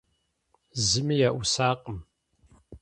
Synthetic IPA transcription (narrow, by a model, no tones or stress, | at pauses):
zɨmijaʔʊsaːqʼəm